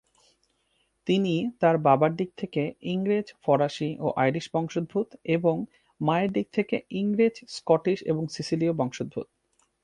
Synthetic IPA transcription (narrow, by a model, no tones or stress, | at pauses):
t̪init̪aɾbabaɖik̚t̪ʰekeiŋɾed͡ʑfɔɾaʃiʔo̰ʔajɾiʃbɔŋʃod̪̚bʱut̪eboŋ | maeɾɖik̚t̪ʰekeiŋɾed͡ʑskɔʈiʃḛboŋsisiliobɔŋʃod̪̚bʱṵt̪̚